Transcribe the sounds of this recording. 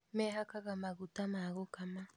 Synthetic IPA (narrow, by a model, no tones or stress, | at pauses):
meɦakaɣamaɣutamaɣokama